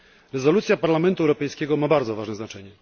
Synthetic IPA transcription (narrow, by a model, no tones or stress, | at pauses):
ɾɛzɔlut̪sʲjapaɾlamɛnt̪uɛwɾɔpɛjskʲɛɡɔmabaɾd̪zɔvaʐnɛznat͡ʂɛɲɛ